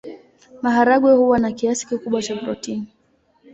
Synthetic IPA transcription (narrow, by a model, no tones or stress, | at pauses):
maɦaɾaɡwɛhuwanakiasi̥kikuɓwat͡ʃabɾɔtini